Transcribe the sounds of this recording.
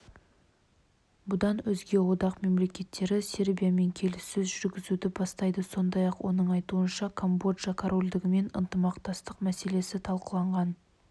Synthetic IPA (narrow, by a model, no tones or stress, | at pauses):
bʊd̪ɑnʏzɡʲe̞wo̞d̪ɑqme̞mle̞kʲe̞t̪ːe̞ɾɪse̞ɾbʲijame̞ŋkʲʰe̞lɪsːɪzʒʏɾɡʲɪzud̪ɪbɑst̪ɑjd̪əso̞nd̪ɑjɑqwʔo̞̰nəɴɑjt̪uənʃɑkʰo̞mbo̞ʒɑkʰoɾo̞lʲd̪ɪɡʲɪme̞nə̰nt̪əmɑqt̪ɑst̪əqmæse̞le̞sɪt̪ʰɑlˠqəlˠɑɴʁɑn